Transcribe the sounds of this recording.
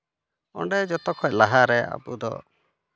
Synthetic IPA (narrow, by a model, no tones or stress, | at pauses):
ɔ̰ɳɖɛd͡ʒɔt̪ɔkʰɔʔlaɦaɾɛa̰bud̪ɔ̰